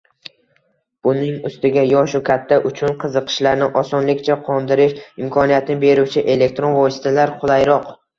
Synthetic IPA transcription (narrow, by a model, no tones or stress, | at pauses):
b̥ʊnɪŋʊst̪ɪɡʲajɒʃʊkʲʰat̪ʰːaʔʊt͡ʃʰʊnqʰɨzɨqʰɨ̥ʃlaɾnɪʔɒsɒnlɪkʲt͡ʃʰaqʰɒnd̪ɪɾɪʃɪmkʰɒnijat̪ʰɪnɪbe̞ɾuwt͡ʃʰɪʔe̞le̞k̚ʲt̪ɾo̞nvɒsɪ̥t̪ʰalaɾqʰʊlˠajɾɒq